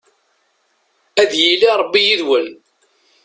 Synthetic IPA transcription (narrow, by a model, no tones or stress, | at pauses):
æðjiliɾˤəbːijiðwəl